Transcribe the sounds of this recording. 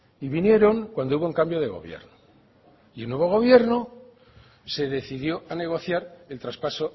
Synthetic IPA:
iβinje̞ɾo̞ŋkwand̪ouβoeŋkambjo̞ð̞e̞ɣ̞o̞̰βjḛɾno | ielnwe̞β̞o̞ɣ̞o̞β̞je̞ɾno | se̞ðe̞θiðjo̞ane̞ɣ̞o̞θjaɾe̞lt̪ɾaspaso̞

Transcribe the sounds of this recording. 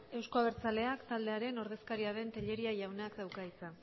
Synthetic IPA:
e̞wsko̞aβeɾt͡sale̞akt̪ald̪e̞aɾe̞no̞ɾð̞e̞skaɾiaðe̞nt̪eʎe̞ɾiaʝawnakd̪awkait͡sa

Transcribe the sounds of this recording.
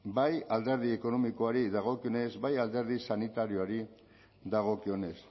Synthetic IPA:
bajald̪e̞ɾð̞ie̞ko̞no̞miko̞aɾiðaɣ̞o̞kio̞ne̞zbajald̪e̞ɾð̞isanit̪aɾio̞aɾi | d̪aɣ̞o̞kio̞ne̞s

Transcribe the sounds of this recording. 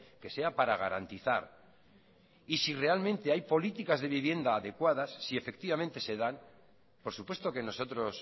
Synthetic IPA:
ke̞se̞apaɾaɣa̰ɾa̰nt̪iθa̰ɾ | isire̞almẽnt̪e̞ajpo̞lit̪ikazðe̞β̞iβje̞nd̪aːðe̞kwaðasːie̞fe̞k̚t̪iβament̪e̞se̞ðan | po̞ɾsupwe̞st̪o̞ke̞no̞so̞t̪ɾo̞s

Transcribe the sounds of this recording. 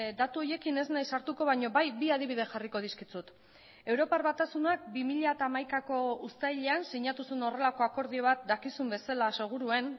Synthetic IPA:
d̪at̪uo̞je̞kine̞znajsaɾt̪uko̞β̞aɲo̞βajbiaðiβ̞ið̞eʝariko̞ðiskit͡sut̪ | e̞wɾo̞paɾβat̪asunak̚bimiʎat̪aːmajkako̞ust̪ajʎeansiɲat̪usuno̞re̞lako̞ako̞ɾð̞io̞β̞at̪̚d̪akisumbe̞salase̞ɣ̞uɾue̞n

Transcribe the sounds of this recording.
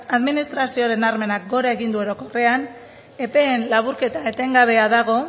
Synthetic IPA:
aðminist̪ɾasioɾe̞naɾme̞nak̚ɡo̞ɾae̞ɣind̪uo̞ɾo̞ko̞re̞an | e̞pe̞ːnlaβuɾke̞t̪aet̪e̞ŋɡaβ̞e̞aðaɣ̞o̞

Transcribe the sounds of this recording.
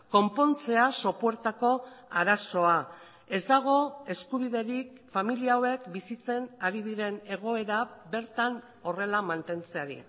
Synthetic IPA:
ko̞mpo̞nt͡se̞aso̞pue̞ɾt̪ako̞aɾaso̞a | e̞zd̪aɣ̞o̞e̞skuβ̞iðe̞ɾik̚ | familiawe̞kbisit͡se̞naɾiðiɾe̞ne̞ɣ̞o̞e̞ɾaβe̞ɾt̪an | o̞re̞lamant̪e̞nt͡se̞aɾḭ

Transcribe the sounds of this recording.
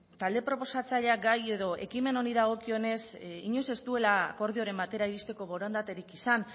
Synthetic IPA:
t̪ald̪e̞pɾo̞po̞sat͡saʎeaɡaje̞ðo̞ʔe̞kime̞no̞ɾiðaɣ̞o̞kio̞ne̞siɲo̞se̞st̪ue̞lako̞ɾð̞io̞ɾe̞mbat̪e̞ɾaiβist̪e̞ko̞βo̞ɾond̪at̪e̞ɾikisan

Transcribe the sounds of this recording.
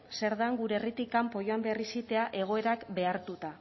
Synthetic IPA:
se̞ɾðaŋɡuɾeːrit̪ikampo̞joambearisit̪e̞aʔe̞ɣ̞o̞e̞ɾakbe̞aɾt̪ut̪a

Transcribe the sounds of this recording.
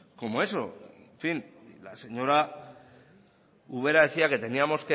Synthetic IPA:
ko̞moe̞so̰ | ɱfinla̰se̞ɲo̞ɾa | uβ̞e̞ɾaesiaket̪e̞niamo̞ske

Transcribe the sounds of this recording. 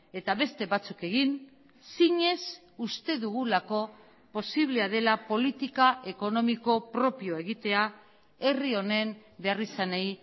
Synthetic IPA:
e̞t̪aβe̞st̪e̞βat͡suke̞ɣin | siɲe̞s | ust̪e̞ðuɣulako̞ | po̞siβle̞aðe̞lapo̞lit̪ikaʔe̞ko̞no̞miko̞pɾo̞pio̞e̞ɣit̪e̞a | e̞rio̞ne̞mbe̞arisanej

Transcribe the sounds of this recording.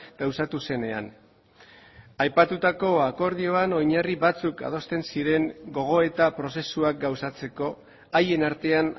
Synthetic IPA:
ɡ̥awsat̪use̞ne̞a̰n | ajpat̪ut̪ako̞ako̞ɾð̞io̞ano̞jɲariβat͡suka̰ð̞o̞st̪e̞nsiɾe̞ŋɡo̞ɣ̞o̞e̞t̪apɾo̞se̞suak̚ɡawsat͡se̞ko̞ | aje̞naɾt̪e̞an

